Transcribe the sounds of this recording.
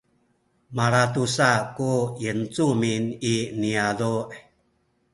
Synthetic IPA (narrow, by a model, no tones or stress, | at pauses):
maɾatusakujənt͡sumininiaduʔ